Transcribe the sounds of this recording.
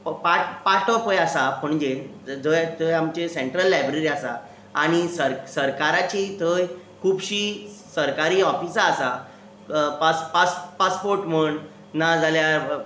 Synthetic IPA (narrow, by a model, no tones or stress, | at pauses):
ppaʈpaʈɔpəjasapəɳd͡ʑe | d͡zəjt̪əjamt͡ɕeseɳʈɾəlːajbɾeɾiasaː | ɽ̃isəɾsəɾkaɾat͡ɕit̪ʰəj | kʰuːbɕiːsəɾkaɾiːɔfisaːsa | paspaspaspoɾʈm̤əɳ | nad͡zalja